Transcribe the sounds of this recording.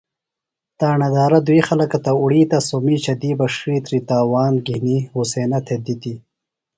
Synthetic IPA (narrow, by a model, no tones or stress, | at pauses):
t̪aːɳɐd̪aːɾɐd̪uixalɐkɐt̪ɐuɽiːt̪asomiːt͡ʃɐd̪iːbɐʂɾit̪ɾit̪aːwaːnɡinihuseːnat̪ʰed̪it̪i